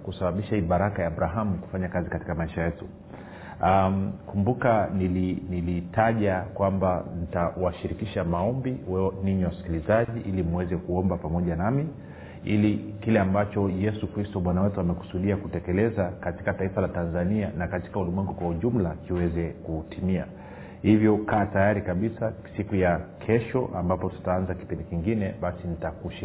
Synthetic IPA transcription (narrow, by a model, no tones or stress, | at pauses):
kusaɓaɓiʃaiɓaɾakajaːɓɾaɦamuku̥faɲakazikati̥kamaiʃajɛtu | akumbukanilinilitʰaʄakwambanitawaʃiɾikiʃamaɔmbiwɛɔniɲiwasi̥kilizaʄiʔilim̩wɛzɛkuɔmbapamɔʄanami | ilikilɛambat͡ʃɔjɛsukɾistɔɓwanawɛtuamɛku̥suɗiakutɛkɛlɛzakati̥kataifalatanzanianakati̥kaulimwɛŋɡukwauʄum̩lakiwɛzɛkutimia̰ | hivjɔkaːtajaɾikaɓisasikujakʰɛʃɔʔa̰mbapɔtu̥taanzaki̥pindikiŋɡinɛɓasinitakuʃ